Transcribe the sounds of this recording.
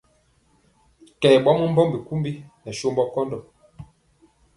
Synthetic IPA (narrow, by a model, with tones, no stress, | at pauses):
kɛ˨ɓɔ˦mɔ˦m̩˦bɔ˦mbi˨ku˦mbi˦nɛ˨ʃo˦mbɔ˦kɔ˦ndɔ˨